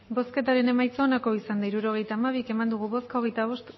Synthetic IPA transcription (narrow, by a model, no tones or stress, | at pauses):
bo̞ske̞t̪aɾe̞ne̞majt͡soːnako̞isand̪aiɾuɾo̞ɣ̞e̞jt̪aːmaβ̞ike̞mand̪uɣ̞uβo̞skaoɣ̞e̞jt̪aβo̞st̪